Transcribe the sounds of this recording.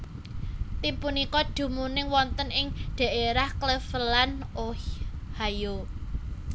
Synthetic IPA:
t̪impunikɔɖ̪̥ṳmunɪŋwɔnt̪ənɪŋɖ̪̥ä̤ʔeɾahkləfəlanohajo

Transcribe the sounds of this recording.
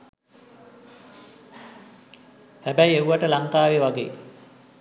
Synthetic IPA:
hæbɛjeuʋaʈəlaŋkaːʋeʋaɡḛː

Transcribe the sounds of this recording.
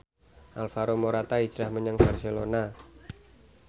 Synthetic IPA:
ʔalfaɾomoɾat̪aid͡ʒɾahməɲaŋbarselona

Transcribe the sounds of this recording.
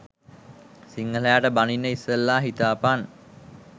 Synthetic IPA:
siŋːələjaʈəbaninːəisəlːaːɦit̪aːpan

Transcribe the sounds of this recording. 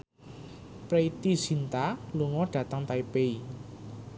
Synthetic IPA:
pɾeit̪iz̥int̪aluŋɔɖ̥ä̤t̪əŋt̪aipei

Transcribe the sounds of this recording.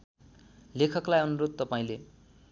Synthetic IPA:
lekʰʌklajʌnuɾod̪̚t̪ʌpaĩle

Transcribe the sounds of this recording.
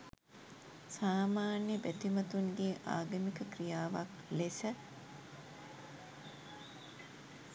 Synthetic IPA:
saːmaːnjəbæt̪imɐt̪unɡ̪eːʔa̰ːɡəmikəkrijaːʋak | lesə

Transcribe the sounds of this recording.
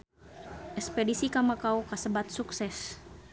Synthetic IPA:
ʔɛkspɛdisikamakaukasəbat̪̚suksɛs

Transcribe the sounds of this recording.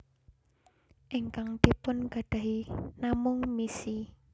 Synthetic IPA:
ʔɪŋkaŋd̪̥i̤pʊnɡ̥a̤ɖ̥a̤ɦinamʊŋmisi

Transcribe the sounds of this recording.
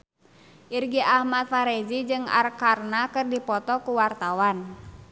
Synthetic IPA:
ʔirɡiʔahmat̪̚faɾɛd͡ʒid͡ʒɨŋa̰rkarnakɨrdipɔt̪ɔkuwart̪awan

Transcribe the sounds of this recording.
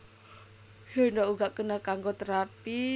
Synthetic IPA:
hondoʔuɡaʔkənakaŋɡot̪əɾat̪i

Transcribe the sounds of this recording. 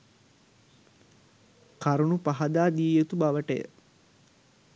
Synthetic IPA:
kaɾunupaɦad̪aːd̪iːjet̪ubaʋəʈəjə̰

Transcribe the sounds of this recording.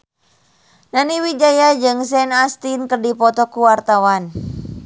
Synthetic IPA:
naniwid͡ʒajad͡ʒɨŋsɛnast̪inkərdipɔt̪ɔkuwart̪awan

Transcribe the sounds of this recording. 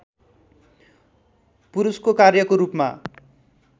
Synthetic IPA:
puɾuskokarjʌkoɾupma̰

